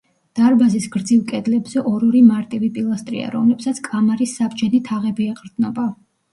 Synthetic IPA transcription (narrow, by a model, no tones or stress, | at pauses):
d̪̥aɾbazisɡɾd̪zilˠkʼɛd̪lɛbz̥ɛʔɔɾɔɾimaɾt̪ʼɛvipʼilˠast̪ʼɾḭa̰ɾɔ̰mlɛpsat̪sʰkʼamaɾisːabd͡ʒɛnit̪ʰaʁɛbiɛqʼɾd̪nɔba